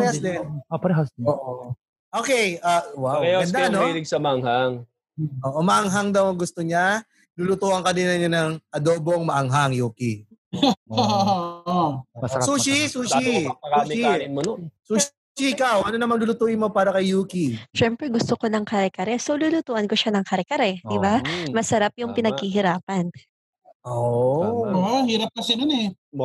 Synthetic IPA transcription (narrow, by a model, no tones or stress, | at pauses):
ɾɛhaslɛɐpɐɾɛɦasoːʔo | ʔoːkɛjʔɐwawkɐjaɡɐnd̪anoilɪɡsɐmɐʔɐŋhaŋ | oːʔomɐʔɐŋɦaŋd̪ɐwɐŋɡʊst̪oɲa | lulʊt̪uːʔɐŋkɐd̪ɪnɐɲɐnɐŋʔɐd̪oːbo̞ŋmɐʔɐŋɦaŋjuːki | suːʃisuːʃiuimosuːʃ | iʔɪkawʔɐnonɐmanlʊlʊt̪uːʔɪnmopaːɾɐkɐjːuːkiʃɛmpɾɛɡʊst̪okonɐŋkɐɾɛkɐɾɛsowlulʊt̪uːʔɐnkoʃanɐŋkɐɾɛkɐɾɛd̪ɪbamɐsɐɾap̚jʊŋpɪnɐɡ̚hiɦɪɾaːpɐn | ʔomahiːɾɐp̚kɐsɛnʊnɛ